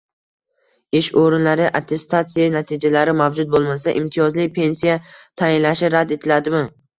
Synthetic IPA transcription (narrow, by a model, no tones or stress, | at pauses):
ɪʃoɾɪnlaɾɪʔat̪ʰe̞st̪ʰat̪sijanat̪ʰid͡ʒalaɾɪmavd͡ʒʊt̪̚bolˠmasaʔɪmt̪ʰɪjɒzlɪpʰe̞nsijat̪ʰajɪnlaʃɪɾad̪e̞t̪ʰɪlad̪ɪmɪ